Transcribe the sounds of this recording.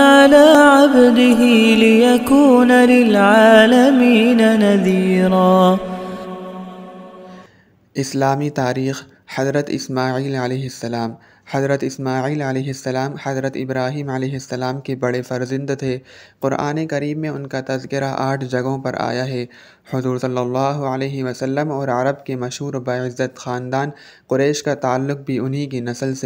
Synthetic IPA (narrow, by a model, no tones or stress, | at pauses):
ʕalaːʕabd̪ɪɦilɪjakuːnalɪlʕaːlɐmiːnanaðiːɾaː | ɪslaːmit̪aːɾiːx | hɐzɾət̪ɪ̰smaːʕiːlɐlɛːɦɪsːɐlaːm | hɐd̪ɾət̪ɪsmaːʕiːlɐlɛːɦɪsːɐlaːmhɐzɾət̪ɪbɾaːɦiːmɐlɛːɦɪsːɐlaːmkebɐɽefɐɾzɪ̃nd̪t̪ʰeːqʊɾʔa̰ːnekɐɾiːbːẽʊnkat̪ɐzkɪɾaʔaːʈʰd͡ʒɐɡõpɐɾʔa̰ːjaɦɛː | hʊzuːɾsɐlːɐlːaːɦʊəleːɦɪʋɐsɐlːəmɔːɾɐɾəbkemɐʃɦuːɾbaːɪzːət̪xaːnd̪aːn | qʊɾɛːʃkat̪aːalːʊq̚bʱiʊnɦikinɐsəlse